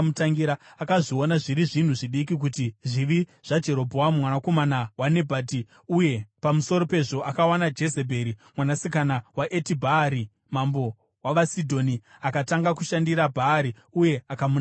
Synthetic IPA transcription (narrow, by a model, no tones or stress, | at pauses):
mutaŋɡiɾaakaʐio̞naʐiɾiʐin̤uʐiɗik̬ik̬utiʐiʋiʐ̥ad͡ʒe̞ɾo̞bʱowamwanako̞manawane̞bʱaːti | uje̞pamuso̞ɾo̞pe̞ʐo̞ʔakawanad͡ʒe̞zebʱe̞ɾimwanasikanawaʔetibʱaːɾi | mambo̞ | waʋasidʱo̞niakataŋɡakuʃandiɾabʱaːɾi | uje̞akamun